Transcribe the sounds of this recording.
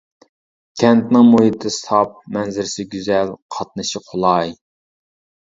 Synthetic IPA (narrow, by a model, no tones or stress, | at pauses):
kʲʰɛnt̪nɪŋmoɦit̪ʰɨsʰɑp̚mɛnzɪɾsɪɡʲyzɛlqʰɑt̪̚nɨʃiqʰolˠɑj